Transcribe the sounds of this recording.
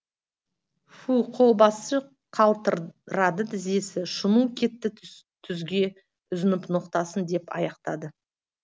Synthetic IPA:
fuqʰolˠbɑsə | qʰɑlˠt̪əɾɾɑd̪əd̪ʰɪze̞sɪʃʊnukʲʰe̞t̪ːɪ | t̪ʰʏzɡʲe̞ | ʊzɪnɪpnoqt̪ɑsənd̪e̞pɑ̰jɑqt̪ɑ̰d̪ə

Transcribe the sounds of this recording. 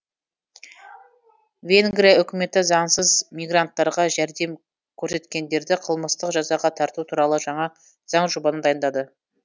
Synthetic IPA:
vʲe̞ŋɡɾijaʏkʲɪme̞t̪ɪzɑɴsəzmijɡrant̪ːɑɾʁɑʒæɾd̪e̞m | kʲʰɵɾse̞t̪kʲe̞nd̪e̞ɾd̪ɪqʰəlˠməst̪əqʒɑzɑʁɑt̪ʰɑɾt̪ut̪ʰuɾɑlˠəʒɑɴɑ | z̥ɑɴʒubɑnənd̪ɑjənd̪ɑd̪ə

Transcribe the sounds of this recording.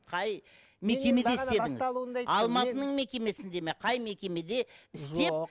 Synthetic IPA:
qʰɑj | me̞kʲe̞me̞d̪eɪe̞d̪ɪŋɪzˠuɑlˠmɑt̪ənəɴme̞kʲe̞me̞sɪnd̪e̞meqʰɑjme̞kʲe̞me̞d̪e̞ɪse̞

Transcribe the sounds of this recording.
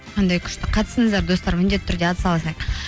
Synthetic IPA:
qʰɑnd̪ɑjkʲʰʏ̥ʃt̪ɪqʰɑt̪əsəɴəzd̪ɑɾd̪o̞st̪ɑɾmʏnd̪e̞t̪ɪʏɾd̪e̞ɑt̪ə̥sɑlˠɑsɑq

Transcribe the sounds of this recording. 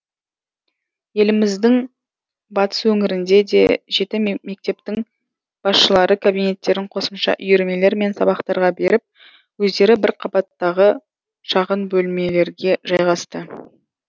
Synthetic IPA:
je̞lɪmɪzd̪ɪŋ | bɑt̪ə̥swɵŋɪɾɪnd̪e̞d̪e̞̰ʒe̞t̪ɪme̞k̚t̪e̞p̚t̪ɪŋ | b̥ɑsʃəlˠɑɾəkʰabijne̞t̪ːe̞ɾɪɴqʰo̞səmʃɑ̰ʔʏjeɾme̞le̞ɾme̞nsɑbɑqt̪ɑɾʁɑbe̞ɾɪp̚ | wɵzd̪e̞ɾɪbɪɾqʰɑbɑt̪ːɑʁə | ʃɑʁənbɵlme̞le̞ɾɡʲe̞ʒɑjʁɑst̪ə

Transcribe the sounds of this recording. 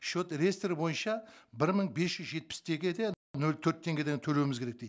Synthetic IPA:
ʃot̪ɾest̪eɾɪbo̞jənʃɑbɪɾməɴbe̞sʒ̥ʏzʒe̞t̪̚pɪ̥st̪ʰe̞ɡʲed̪e | nɵlt̪ʰɵɾt̪ʰːe̞ŋɡʲe̞d̪eŋt̪ʰɵle̞wɪmɪzkʰʲeɾek̚d̪ej

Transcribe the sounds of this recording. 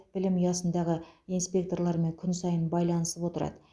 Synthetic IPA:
b̥ɪlɪmjɑsənd̪ɑʁəijnspʲe̞k̚t̪o̞ɾlˠɑɾme̞ŋkʲʰʏnsɑjənbɑjlˠɑnəsəpwo̞t̪əɾɑ̰d̪ə

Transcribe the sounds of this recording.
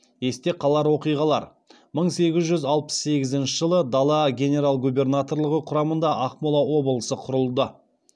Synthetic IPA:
e̞st̪e̞qʰɑlˠɑɾwo̞qijʁɑlˠɑ̰ɾ | məɴse̞ɡʲɪzʒʏzɑlˠpə̥sːe̞ɡʲɪzɪnʃɪʒəlˠəd̪ɑlˠɑɡʲe̞nʲe̞ɾalˠɡube̞rnat̪o̞rlˠəʁəqʰʊɾɑmənd̪ɑʔɑqmolˠɑwo̞bəlˠəsəqʰʊɾəlˠd̪ə

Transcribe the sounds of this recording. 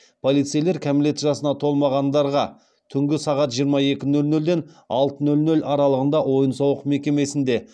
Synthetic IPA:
pʰo̞lˠijt̪sijle̞ɾkʲʰæmɪle̞t̪ʒɑsənɑt̪ʰo̞lˠmɑʁɑnd̪ɑɾʁɑ | t̪ʰʏŋɡʲɪsɑʁɑt̪ʒijəɾmɑje̞kʲɪnɵlnɵld̪e̞n | ɑ̰lˠt̪ənɵlnɵlɑɾɑlˠəʁənd̪ɑwo̞jənsɑwəqme̞kʲe̞me̞sɪnd̪e̞

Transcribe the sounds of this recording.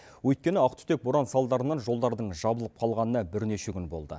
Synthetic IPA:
wɵjt̪̚kʲe̞nɪɑqt̪ʰʏ̥t̪e̞k̚boɾɑnsɑlˠd̪ɑɾənɑnʒo̞lˠd̪ɑɾd̪əɴʒɑbəlˠəp̚qʰɑlˠʁɑnənɑbɪɾne̞ʃe̞kʲʏnbo̞̰lˠd̪ə̰

